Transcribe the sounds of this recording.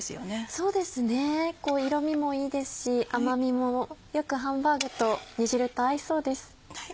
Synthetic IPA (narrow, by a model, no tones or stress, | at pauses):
sɨjoneso̞ːd̪e̞sɨne̞ko̞ːiɾo̞mʲimo̞iːd̪e̞sɨ̥ɕiʔamamʲimo̞jo̞kɯ̟ɦãmbaːɡɯ̟t̪o̞ɲ̟iʑiɾɯ̟t̪oaiso̞ːd̪e̞sɨ̥